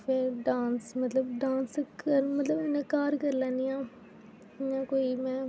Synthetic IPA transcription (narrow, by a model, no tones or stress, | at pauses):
pʰɪɖãːnsmət̪ləb̚ɖãːnskəɾmət̪ləbɪnẽːkaːɾkəɾlãːnɪjãː | jãːkoːimɛ̃ː